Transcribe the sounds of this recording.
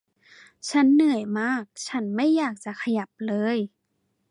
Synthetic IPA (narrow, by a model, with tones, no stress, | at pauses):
t͡ɕʰa˦˥nːɯ˨˩əjmaː˥˩k̚t͡ɕʰa˦˥nma˥˩jːaː˨˩k̚t͡ɕa˧˩kʰa˧ja˨˩p̚lɤː˧˦j